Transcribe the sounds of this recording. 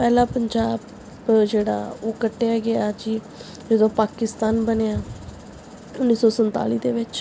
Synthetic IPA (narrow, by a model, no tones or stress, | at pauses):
pɛːlaːpəɲd͡ʒaːb | d͡ʒeːɽa̰ːoːkəʈːejaːɡɪaːd͡ʒiː | d͡ʒəd̪õːpaːkɪst̪aːnbənejaː | ʊnːiːsɔːsənt̪a̰ːliːd̪eːʋɪt͡ʃ